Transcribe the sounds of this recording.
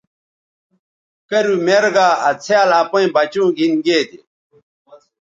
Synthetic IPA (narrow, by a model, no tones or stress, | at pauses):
kɐɾumeɾɡaːɐt͡sʰealaːpɐ̃ĩbɐt͡ɕũːɡʱinɡeːd̪i